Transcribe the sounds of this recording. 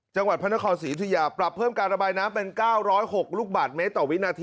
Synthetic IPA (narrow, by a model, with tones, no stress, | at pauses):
t͡ɕa˧ŋwa˨t̪̚pʰa˥˩na˦˥kʰɔː˧nsiː˨˩˦t̪ʰi˧jaː˧pɾa˨˩pʰːɤː˥˩mkaː˧nɾa˧baː˧jnaː˦˥mpe˧nkaː˥˩wɾɔː˦˥jho˨˩k̚luː˥˩k̚baː˨˩t̪̚me˦˥t̪ːɔː˨˩wi˦˥naː˧t̪ʰiː˧